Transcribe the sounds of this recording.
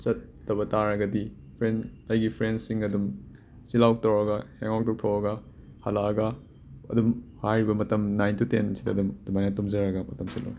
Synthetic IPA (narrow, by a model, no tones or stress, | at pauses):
t͡ʃɐtːɐbɐtaɾɐɡɐdi | pʰɾenɐjɡipʰɾensiŋɐdum | silawk̚tɐwɾɐɡɐheŋawk̚tʰowk̚tʰɐwɾɐɡɐ | hɐlaɐɡɐ | ɐ̰dumhajɾibɐmɐtɐmnajntutḛnsidɐːdumdumajnɐtumzɐɾɐɡɐmɐtɐmsilo̰w